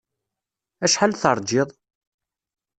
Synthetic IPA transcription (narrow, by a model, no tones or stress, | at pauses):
æʃħalθəɾˤd͡ʒɪðˤ